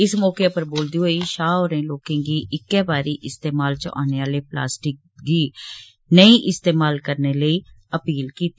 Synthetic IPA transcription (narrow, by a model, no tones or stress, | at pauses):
ɪsmɔːkepəɾboːld̪iɦoːiʃaːoːɾẽloːkẽːɡiːʔɪkːɛːbaːɾiʔɪst̪eːmaːlt͡ʃʔa̰ːneʋaːlepla̰ːsʈɪk̚ɡiː | nəĩʔɪst̪eːmaːlkəɾneləiːəpiːlkiːt̪i